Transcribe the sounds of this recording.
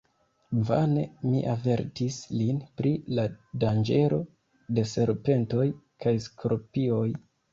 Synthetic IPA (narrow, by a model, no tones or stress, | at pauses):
va̰ne̞mḭʔave̞ɾtislinpɾiladand͡ʒe̞ɾʔo̞ | de̞se̞ɾpe̞nto̞j | kʰajskɾopio̞j